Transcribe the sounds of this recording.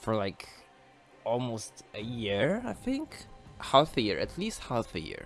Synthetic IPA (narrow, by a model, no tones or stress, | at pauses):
fə˞laɪk | ɔlˠmostɨjiɹaɪθɪ̃ŋkhælfɨjɪɹʔɨ̰tʰlist̚hælˠfɨjɪ̰ɹ